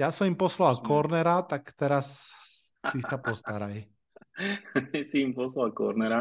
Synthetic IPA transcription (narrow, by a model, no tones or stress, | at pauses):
jasɔmimpɔslalkɔɾnɛɾat̪akt̪ɛɾas | isapɔst̪aɾaj | ɛsiːmpɔslalkɔ̰ɾnɛɾa